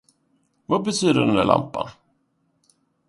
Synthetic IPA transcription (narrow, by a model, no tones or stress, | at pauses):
vabɛt̪ʰyːd̪ədɛnd̪æ̰ɭʔa̰mpa̰n